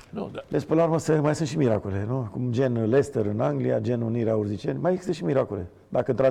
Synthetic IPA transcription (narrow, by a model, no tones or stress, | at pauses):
lespɨnlauɾməsəmajsɨnt̪ʃimiɾa̰kole̞nukumd͡ʒe̞nle̞st̪eɾɨnaŋɡlija̰d͡ʒe̞nuniɾeaurzit͡ʃḛnʲmajeɡzi̥st̪əʃimiɾakole̞̰ | d̪akənt̪ɾa